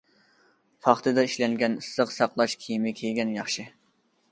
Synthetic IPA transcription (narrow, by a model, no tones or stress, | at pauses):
fʰɑχt̪ʰɨd̪ɑiʃlɛŋɡʲɛnɨsːəqsɑqlˠɑʃkʲʰijmɪkʲʰejɡʲɛnjɑχʃɨ